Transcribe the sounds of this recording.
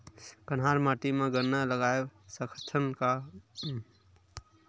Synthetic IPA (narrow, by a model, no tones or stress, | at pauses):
kənɦaːɾmaːʈimẽɡəɾnaləɡaːesəkʰət̪ʰənka